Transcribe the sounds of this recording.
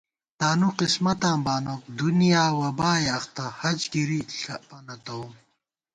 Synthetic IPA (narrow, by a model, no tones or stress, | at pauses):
t̪aːnuqismɐt̪ãːmbaːnoːk̚d̪unijaːwɐbaːjɐxt̪ahɐd͡ʑɡiɾiɬɐpɐnɐt̪ɐum